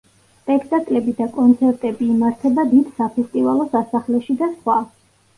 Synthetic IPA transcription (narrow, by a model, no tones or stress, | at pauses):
spʼɛkʰt̪ʼakʼlɛbid̪akʼɔnt̪sʰɛɾt̪ʼɛbiːmaɾt̪ʰɛbad̪id̪sapʰɛst̪ʼivalˠɔsasaχlɛʃid̪asχwa